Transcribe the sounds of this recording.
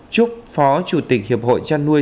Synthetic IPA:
t͡ɕu˦˥p̚fɔ˨˦t͡ɕu˧˩t̪ï˨˩k̟̚hi˨˩əp̚ho̰˧˨jt͡ɕaː˧nːu˧ə

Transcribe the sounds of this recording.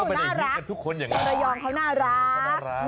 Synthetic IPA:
nː˧˥˩ɾa˦˥˧t̪ʰu˦˥kʰːo˧njaː˨˩ŋ˧ɾa˧jɔː˧mkʰa˦˥wnaː˥˩ɾa˦˥k

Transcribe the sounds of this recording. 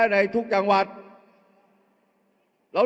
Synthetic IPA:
na˧jt̪ʰu˦˥k̚t͡ɕa˧ŋwa˨˩t̪̚ | ɾa˨˧˥

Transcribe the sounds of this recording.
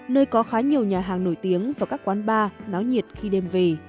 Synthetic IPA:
nəː˧jkɔ˨˦xaː˨˦ɲi˨˩əwɲaː˨˩ɦaː˨˩ŋno˧˩jt̪i˨˦əŋvaː˨˩kaː˦˥kːwaː˨˦nɓaː˧na˨˦wɲi˨˩ət̚xi˧ɗɛ˧mve˨˩

